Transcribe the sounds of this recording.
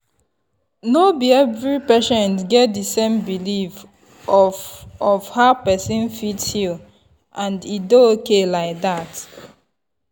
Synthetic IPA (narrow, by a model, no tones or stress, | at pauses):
nobiɛvɹipɛʃɛ̃ntɡɛt̚disẽmbilif | ɔɔvhaʊpɛsĩnfitshil | ʔãndidookelaɪk̚dat